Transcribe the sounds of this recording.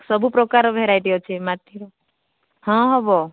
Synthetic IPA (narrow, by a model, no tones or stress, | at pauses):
sɔbʱupɾɔkaɾɔbʱeɾajd̪iɔt͡ʃʰemat̪iɾɔ | hɔ̃ɦɔbɔ